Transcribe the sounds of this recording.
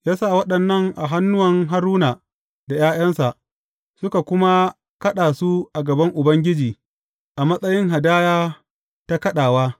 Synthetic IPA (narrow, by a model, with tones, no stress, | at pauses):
jaː˦saː˦˨wɐ˦ɗɐ˨nːɐ˦ŋʔa˨ɦa˦nːʊ˦wɐ˨ŋɦa˦ɾuː˦naː˨ | da˨jaː˦j̰ɐ˦nsa˨ʔ | sʊ˦ka˨kʷʊ˦ma˦ | kɐ˦ɗaː˨su˦ʔa˨ɡɐ˨bɐ˦ŋʔʊ˨bɐ˦ŋɡʲɪ˦d͡ʒiː˨ | ʔa˨mɐ˦sʼɐ˦jɪ˦ŋɦa˨daː˦jaː˦ | ta˦kɐ˦ɗaː˨waː˦